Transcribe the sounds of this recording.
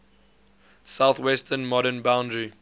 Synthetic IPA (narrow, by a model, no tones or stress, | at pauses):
saʊθwɛstʰənmɔɾənbãʊ̃ndɹi